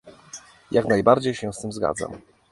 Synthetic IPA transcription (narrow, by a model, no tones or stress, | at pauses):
jaknajbaɾd͡ʑejɕɛ̃st̪ɘmzɡa̰d̪za̰m